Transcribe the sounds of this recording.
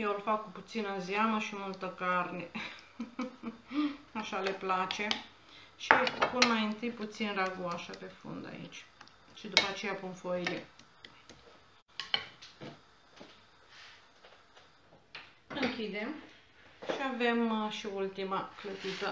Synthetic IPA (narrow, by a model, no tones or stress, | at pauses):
jelfakkuput̪sinəziaməʃimult̪əkarne̞ | aʃale̞plat͡ʃe̞ | ʃiapunmajɨnt̪ɨjput̪sinraɡuaʃəpe̞fṵnd̪a̰ḭt͡ʃʲ | ʃid̪upəat͡ʃe̞japunfojile̞ | ɨŋkʲid̪e̞m | ʃiave̞mʃiult̪imaklət̪it̪ə